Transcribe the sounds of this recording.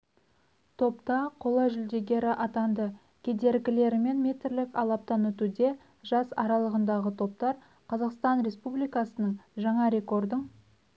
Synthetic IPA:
t̪ʰo̞pt̪ɑqʰo̞lˠɑʒʏld̪e̞ɡʲe̞ɾɪʔɑt̪ɑnd̪ə | kʲʰe̞d̪e̞ɾkʲɪle̞ɾɪme̞nmʲe̞t̪ɪɾlɪkɑlˠɑp̚t̪ɑnɵt̪ud̪e̞ | ʒɑsɑɾɑlˠəʁənd̪ɑʁət̪ʰo̞p̚t̪ɑɾ | qʰɑzɑqst̪ɑnɾe̞spublijkɑsənəɴʒɑɴɑɾe̞ko̞rd̪əɴ

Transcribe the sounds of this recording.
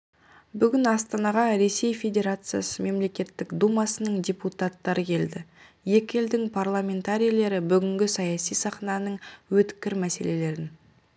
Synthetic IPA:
bʏɡʲɪnɑst̪ɑnɑʁɑɾe̞se̞jfʲe̞d̪ʲe̞ɾat̪sɨja̰səme̞mle̞kʲe̞t̪ːɪkd̪umɑsənəɴdʲeput̪at̪ːɑɾəkʲʰe̞ld̪ɪ | je̞kʲeld̪ɪŋpʰarlˠamʲe̞nt̪aɾʲijlˠe̞ɾɪbʏɡʲɪŋɡʲɪsɑjɑsijsɑχnɑnəɴwɵt̪kʲɪɾmæse̞le̞le̞ɾɪn

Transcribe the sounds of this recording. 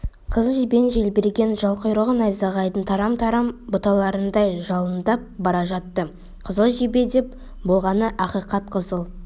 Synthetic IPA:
qʰəzəʒibe̞nʒe̞lbeɾɡʲe̞nʒɑlˠqʰojɾəʁənɑjzɑʁɑjd̪ənt̪ʰɑɾɑmt̪ʰɑɾɑmbʊt̪ɑlˠɑɾənd̪ɑjʒɑlˠənd̪ɑp̚bɑɾɑʒɑt̪ːə | qʰəzəlˠʒibe̞d̪e̞p̚ | bo̞lˠʁɑnəʔɑqijqɑt̪̚qʰəzəlˠ

